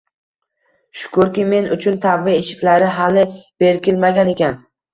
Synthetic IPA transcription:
ʃʊ̥kʰʊɾkʲɪme̞nʊt͡ʃʰʊnt̪ʰavːɪeʃɪ̥kʲlaɾɪɦalɪb̥e̞ɾkʲɪlmaɡʲane̞kʲʰan

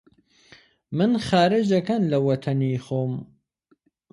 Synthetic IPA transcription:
mɨnχaːɾɨd͡ʒɐkanlɐwɐt̪ʰɐnixoːm

